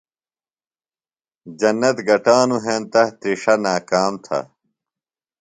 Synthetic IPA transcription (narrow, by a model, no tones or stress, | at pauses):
d͡ʑɐnːɐt̪ɡɐʈaːnuɦeːnt̪ɐt̪ɾiʂɐnaːkaːmt̪ʰɐ̰